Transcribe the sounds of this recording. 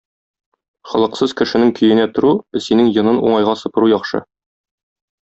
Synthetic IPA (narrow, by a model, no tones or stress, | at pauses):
χɒ̆lˠɤ̆qsɤzkɘ̆ʃɘ̆nɘŋkɵ̆jɘ̆næt̪ŏɾuɘ̆sinɘŋjɤ̆nɤnṵɴɑjʁɑsɤ̆pɤ̆ɾujɒχʃɤ̰